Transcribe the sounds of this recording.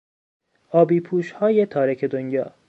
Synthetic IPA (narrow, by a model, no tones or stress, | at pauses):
ɒːbiːpʰuːʃhɒːjet̪ʰɒːɾecʰed̪onjɒ̰ː